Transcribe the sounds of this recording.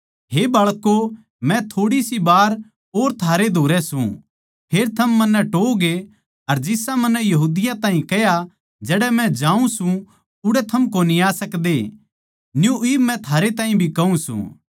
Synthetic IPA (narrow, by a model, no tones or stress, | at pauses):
ɦebɐːɭkːo | mɛ̃t̪ʰoːɽisibaːɾ | ɦoːɾt̪ʰaːɾed̪ʱoːɾɛsṵ̃ | pʰeːɾt̪ʰɐmːɐnːɛʈoːɡe | ɐɾd͡ʒɪsamɐnːɛjɐɦuːd̪ɪjãt̪ãːɦĩkɛja | d͡ʒɛːɽɛmɛ̃d͡ʒãːũsũ | ʊɽɛt̪ʰɐmk̬oniaːsɐkd̪e | njuiːbmɛ̃t̪ʰaːɾet̪ãːɦĩbʱikɐũsṵ̃